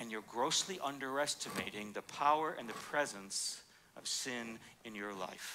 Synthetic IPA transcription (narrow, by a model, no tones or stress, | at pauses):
ɨ̃njə˞ɡɹoʊsliʔʌ̃ndə˞ɛstɨmeɪɾɪ̃ŋðɨpʰaʊə˞ʔɨ̰̃nðɨpʰɹ̥ɛzə̃ns | ʌ̰v̥sɪ̃nɨ̃njə˞la̰ɪf